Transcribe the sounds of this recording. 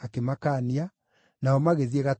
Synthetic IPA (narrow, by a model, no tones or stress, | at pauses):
akemakaːnia | naɔmaɣeðieɣa